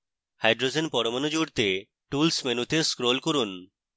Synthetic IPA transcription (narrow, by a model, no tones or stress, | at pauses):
hajɖɾod͡ʑenpɔɾomanod͡ʑuɾt̪e | ʈulsmenut̪eskɾolkoɾun